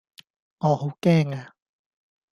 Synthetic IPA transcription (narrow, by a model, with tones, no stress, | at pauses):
ŋɔː˨˧ho˨˥wkɛː˥ŋaː˧